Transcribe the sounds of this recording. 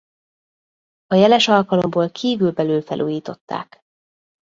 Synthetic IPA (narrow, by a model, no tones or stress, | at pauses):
ɒjɛlɛʃɒlkɒlo̞mboːlkʰiːvylbɛlyːlfɛlʔuːjiːt̪o̞t̪ːa̰ːk